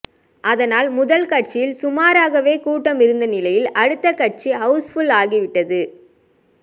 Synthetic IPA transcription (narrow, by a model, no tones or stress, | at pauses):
ʔɐðɐnaːlmʊðɐlkɐʈ̚t͡ʃɪjɪlsʊmaːɾaːɣɐʋeːkuːʈːɐmɪɾɯnd̪ɐnɪlɐjɪlɐɽɯt̪ːɐkɐʈ̚t͡ʃiɦɐʊsfʊlaːɣiʋɪʈːɐðɯ